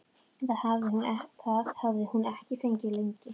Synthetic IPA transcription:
ɛnθaðhavðɪhunɛht̪ʰaðhavðɪhunɛhcɪfeɲcɪleɲcɪ

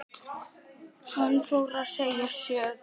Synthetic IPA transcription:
hanfowɾaðseːjasœːɣ

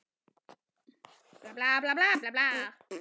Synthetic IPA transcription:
plap̚laplaplaːp̚lap̚la

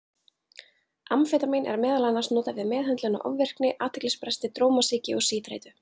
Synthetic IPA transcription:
amfɛːt̪amejnʔɛ̰ɾmɛːðalanːaɾ̥snɔːt̪avɪðmɛːðɦɛnt̪lʏna̰wʔɔ̰vvːɛr̥knɪʔaːt̪ʰɛklɪspɾɛst̪ɪt̪ɾoːwmasiːcɪɔɣsiːt̪ɾḛjt̪ʏ

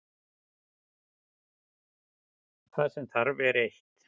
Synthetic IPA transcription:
θaðsɛmθʰaɾvɛɾejht̪

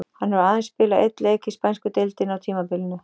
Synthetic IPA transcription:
hanːɛɾaːðɪnspɪːlaʔɛt̪lkɪspajnskʏt̪elt̪ɪnawt̪ʰiːmapɪlnʏ

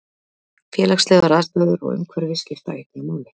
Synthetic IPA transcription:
fjɛːlaxslɛːɣðaɾaːst̪lœðʏɾɔ̰ɣʏ̰mkʰvœɾvɪscɪft̪a̰eht̪namaːwlɪ

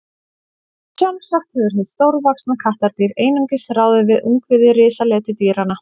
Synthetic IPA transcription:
t͡ʃɔnsaxt̪hɛvʏɾ̥θɛst̪oːwɾvaksnakʰaht̪aɾt̪iːɾeːjnʏŋcɪsraːwðɪvɪðʏŋkvɪðɪɾɪːsalɛːt̪ɪt̪iːɾana

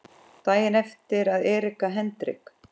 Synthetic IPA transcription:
t̪aːjɪnɛft̪ɪɾaðɛːɾɪkaɦɛnt̪ɾɪ̰k

